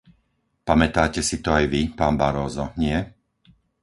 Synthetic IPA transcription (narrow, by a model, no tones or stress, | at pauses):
pamɛt̪aːcɛsit̪ɔajʋipaːnbaɾɔːzɔɲɪɛ